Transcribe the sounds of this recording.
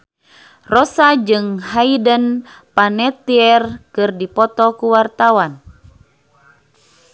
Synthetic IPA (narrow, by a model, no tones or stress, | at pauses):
rɔsad͡ʒɨŋɦaidən | panɛt̪iɛrkɨrdipɔt̪ɔkuwart̪awan